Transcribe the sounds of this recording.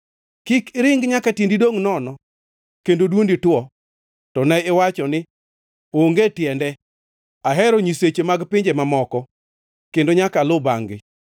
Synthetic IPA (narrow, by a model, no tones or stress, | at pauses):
kikɾɪŋɡɲakatendidoŋnɔnɔ | kendodwonditwɔ | tɔnɛɪwat͡ʃɔnɪ | oŋɡetjɛndɛ | aɦɛɾɔɲiset͡ʃemaɡpɪɲd͡ʒemamɔkɔ | kendoɲakalʊbaŋɡɪ̰